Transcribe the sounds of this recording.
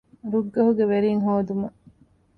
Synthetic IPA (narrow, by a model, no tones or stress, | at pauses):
ɾuɡːɐɦuɡeʋeɾiŋɦoːd̪umɐ